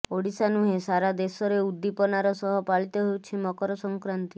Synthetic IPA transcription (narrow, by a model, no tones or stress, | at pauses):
oɽisanuɦesaɾad̪esɔɾeud̪ːipɔnaɾɔsɔɦɔpaɭit̪ɔɦeut͡ʃʰimɔkɔɾɔsɔŋkɾant̪i